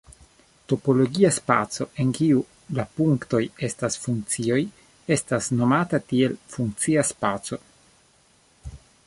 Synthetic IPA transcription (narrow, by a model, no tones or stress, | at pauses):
to̞po̞lo̞ɡiaspat͡so̞ʔe̞ŋkiu | lapuŋkto̞je̞stasfuŋk̚t͡sio̞j | e̞stasno̞matatie̞lfuŋk̚t͡siaspat͡so̞